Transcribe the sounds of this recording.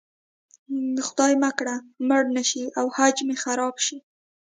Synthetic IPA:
xʊd̪ɑjmakɽaməɽnaʃiawhad͡ʒmexaɾɑbʃi

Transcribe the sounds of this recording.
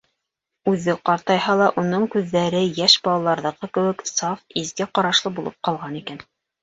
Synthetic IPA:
ʉðɘqɑɾt̪ɑjhɑlˠɑʔunɤɴkʉðːæɾɘjæʃbɑlˠɑlˠɑɾðɤ̆ʁɤkɘ̆wɘ̆ksɑfizɡæqɑɾɑʃlˠɤbulˠɤ̰p̚qɑlˠʁɑnikæn

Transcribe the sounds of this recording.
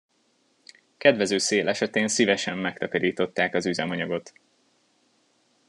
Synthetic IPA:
kɛd̪vɛzøːseːlʔɛʃɛt̪eːnsivɛʃɛmːɛkt̪ɒkɒɾiːt̪o̞t̪ːaːkɒzyzɛmɒɲɒɡo̞t̪

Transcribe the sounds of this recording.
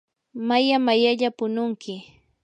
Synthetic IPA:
majamajaʎapʊnʊŋkɪ

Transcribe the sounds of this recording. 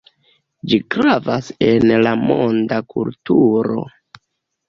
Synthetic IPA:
d͡ʒikɾavase̞nlamondakṵltuɾo̞̰

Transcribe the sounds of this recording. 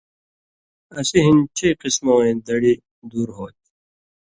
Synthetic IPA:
ɐsiɦint͡ɕʰiqismoːẽːd̪ɐɽi | d̪uːɾɦoːt̪̚

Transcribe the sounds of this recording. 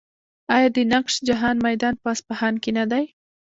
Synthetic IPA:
ɑjɑd̪ənaqʃd͡ʒaɦɑnmajd̪ɑnpɑspahɑnkenad̪aj

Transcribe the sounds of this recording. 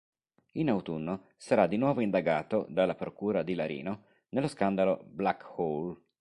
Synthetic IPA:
inawt̪unːo | saɾad̪inwɔːvoind̪aɡaːt̪od̪alːapɾokuːɾad̪ilaɾḭːno | neloskand̪aloblakhol

